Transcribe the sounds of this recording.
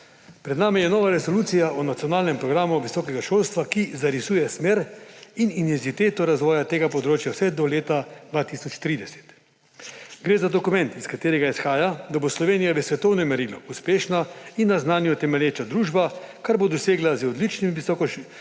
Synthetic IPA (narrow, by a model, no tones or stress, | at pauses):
pɾɛd̪naːmijɛnɔːʋaɾɛsoluːt̪sijaʔɔnat̪sijɔnaːlnɛmpɾɔɡɾaːmuʋisɔːkɛɡaʃolst̪ʋakizaɾisuːjɛsmeːɾinint̪ɛnzit̪eːt̪ɔɾazʋɔːjat̪eːɡapɔd̪ɾoːt͡ʃjawsɛd̪ɔleːt̪ad̪̥ʋat̪isɔt͡ʃt̪ɾiːd̪ɛsɛ̥t̪ | ɡɾeːzad̪ɔkumɛ̃nt̪iskat̪eːɾɛɡaisxaːjad̪aboslɔʋeːnijaʋɛsʋɛt̪ɔwnɔmɛɾilɔ̰uspeːʃnainːaznaːnjɔt̪ɛmɛljeːt͡ʃad̪ɾuːʒbakaɾbod̪ɔseːɡlazɔd̪lit͡ʃnimiisɔkɔ